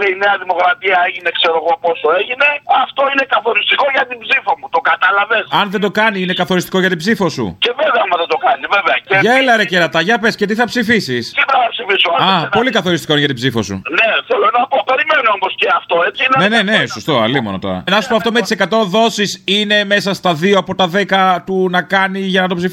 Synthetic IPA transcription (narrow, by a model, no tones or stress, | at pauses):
liineɐðimo̞kɾɐt̪iɐeʝine̞kse̞ɾo̞ɣo̞po̞so̞e̞ʝine̞ɐft̪o̞inekɐθo̞ɾist̪iko̞ʝɐt̪ibzifo̞mut̪oɡɐt̪ɐlɐve̞sɐnðed̪o̞kɐniine̞kɐθo̞ɾist̪i̥ko̞ʝɐt̪ibsifo̞sṵce̞veveɐmɐðed̪o̞kɐniveveɐceʝɐelɐɾeceɾɐt̪ɐʝɐpesce̞t̪iθɐpsifisist̪iɐɐpsifisoɐɐpo̞likɐθo̞ɾist̪ikoinɐt̪ibzifo̞̰sṵneθelonɐpo̞pe̞ɾimenoomosceɐft̪o̞et͡siinenenene̞sost̪o̞ɐ̰limonot̪o̞̰ɾɐ̰nɐsu̥poɐft̪omet̪i̥se̞kɐt̪o̞ðo̞sisine̞me̞sɐst̪ɐðioɐpo̞t̪ɐðe̞kɐt̪unɐkɐniʝɐnɐt̪o̞psif